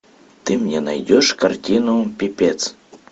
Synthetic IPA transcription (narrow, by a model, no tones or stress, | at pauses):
t̪ɨmnʲenɑ̰jdʲoʃkartʲinopʲipʲet̪t͡s